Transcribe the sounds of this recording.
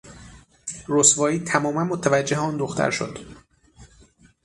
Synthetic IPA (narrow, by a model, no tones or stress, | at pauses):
rosvɒːiːt̪ʰæmɒːmænmot̪ʰævæd͡ʒːeɦeɒːnd̪oxt̪ʰæ̰ɾʃo̰d̪̥